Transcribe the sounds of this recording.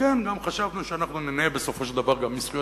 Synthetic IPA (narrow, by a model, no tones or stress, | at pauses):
enɡamχaʃavnuʃeanaχnunenebe̞so̞fo̞ʃeld̪avaʁɡamːisχijo